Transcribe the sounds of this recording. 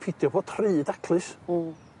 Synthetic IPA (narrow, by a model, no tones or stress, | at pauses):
pʰɪdjɔboːd̥tʰrɨːdakʰlˠɨs